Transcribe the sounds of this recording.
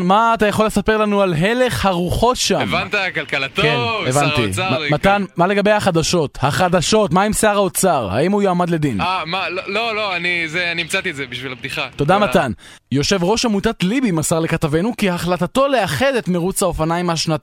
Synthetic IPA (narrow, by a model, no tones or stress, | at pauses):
maːt̪ajaχo̞lːe̞sape̞ʁlanualɦe̞le̞χhaʁuχo̞tʃaemvamnt̪akalkalat̪okeevantḭamamat̪anmale̞ɡabe̞jhaχad̪aʃo̞thaχad̪aʃo̞tmaemseaʁao̞t͡saʁha̰imujoamad̪le̞d̪inamalololo̞anizeanimt͡sat̪ietzebiʃvilabd̪iχat̪o̞d̪amat̪an | jo̞ʃe̞vʁo̞ʃamutat̪libimasaʁlekatave̞nukiaχlatato̞le̞aχe̞d̪et̪meʁut͡sao̞fanajmaʃnata